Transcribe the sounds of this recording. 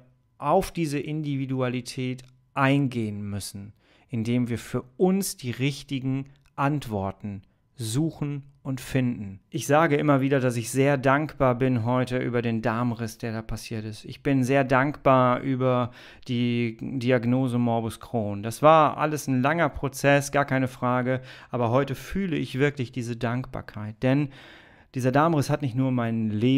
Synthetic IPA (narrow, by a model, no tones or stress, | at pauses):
ʔaʊfd̥iːzəʔɪndividualitʰɛːt | ʔaɪnɡeːənmʏsn̩ | ʔɪndeːmviːɐfyːɐʔʊnsd̥iːʁɪçtɪɡŋ̩ | ʔantv̥ɔɐtn̩ | zuːxn̩ʔʊntfɪndn̩ʔɪçz̥aːɡəʔɪmɐviːdɐdas̬ɪçz̥eːɐdaŋkb̥aːɐbɪnɦɔʏtəʔy̰ːbɐɾeːndaɐmʁɪsd̥eːɐɾaːpʰasiːɐtɪstɪçb̥ɪnzeːɐdaŋkb̥aːɐʔyːbɐ | d̥iːdiaɡnoːzəmɔɐbʊskʁ̥oːnd̥asv̥aːɐʔa̰ləsnlaŋɐpʁ̥ot͡sɛsɡ̥aːɐkʰaɪnəfʁ̥aːɡəʔaːbɐɦɔʏtəfyːləɪçv̥ɪɐklɪçd̥iːzədaŋkb̥a̰ːɐkʰaɪt̚d̥ɛn | d̥iːzɐdaɐmʁɪshatnɪçtnuːɐmaɪnleː